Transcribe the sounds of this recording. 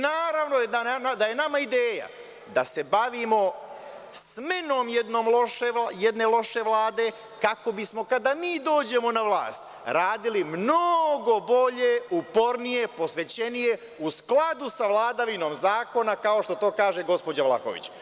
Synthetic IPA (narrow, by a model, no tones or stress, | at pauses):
naːɾaʋnoed̪ananad̪aje̞namaid̪eːja̰ | d̪ase̞baʋimo̞ | smeno̞ːmjed̪no̞ːmloʃeajed̪ne̞lo̞ʃe̞ʋlˠaːd̪e̞ | kako̞bismo̞kad̪amiːd̪o̞ːd͡ʑe̞mo̞naʋlˠa̰ːst̪ | ɾaːd̪ilimnoɡo̞bo̞ʎeupo̞ɾnije̞po̞sʋe̞t͡ɕe̞nije̞ | usklˠad̪usaʋlˠaːd̪aʋino̞ːmzaːko̞nakao̞ʃt̪o̞t̪o̞ːkaːʒe̞ɡo̞spo̞d͡ʑaʋla̰xo̰ʋḭt͡ɕ